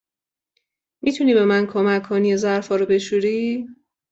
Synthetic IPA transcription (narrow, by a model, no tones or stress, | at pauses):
mit̪ʰuniːbe̞mænkʰomækʰːoniezæɾfɒːɾobe̞ʃuɾiː